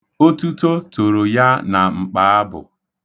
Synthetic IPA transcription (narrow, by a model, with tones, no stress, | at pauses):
o˦tu˦to˦to˨ɾo˨ja˦na˨ŋ͡m̩˨k͡pa˨a˦bʊ̰˨